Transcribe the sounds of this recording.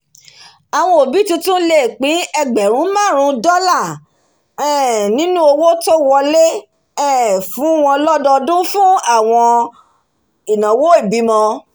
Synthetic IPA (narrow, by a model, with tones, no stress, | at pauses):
a˨w̃ɔ̃˧o˨bi˨˦tũ˧tũ˦le˦˨k͡pĩ˨˦ɛ˧ɡ͡bɛ˨ɾ̃ũ˨˦mãː˦˨ɾ̃ũ˧dɔ˦la˦˨ | ɛ˦˨nĩ˦nũ˦o˧wo˦to˦wɔ˧le˦ | ɛ˦˨fũ˨˦w̃ɔ̃˧lɔ˦dɔ˧dũ˦fũ˦a˦˨w̃ɔ̃˧ | i˨nã˨wo˦i˦˨bi˨˦mɔ̃˧